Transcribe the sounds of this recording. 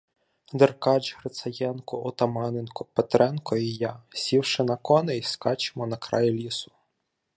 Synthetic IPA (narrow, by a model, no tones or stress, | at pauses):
d̪erkɑd͡ʒɦɾet̪sɐjɛnkʊʔɔt̪ɐmɑnɪnkɔpet̪ɾɛnkɔijasʲiwʃɪnɐkɔnɛiskɑt͡ʃɪ̥mɔnɐkɾɑ̰jilʲisʊ̥